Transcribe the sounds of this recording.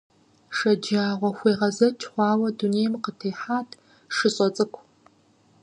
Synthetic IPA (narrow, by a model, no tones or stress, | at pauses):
ʂɐd͡ʒaːʁʷɔxʷeːʁɐzɐt͡ʃʰʼχʷɑːwɐduneːjmqətʰeːħaːtʰ | ʂɨɕʼɔt͡sʼɨkʷʰ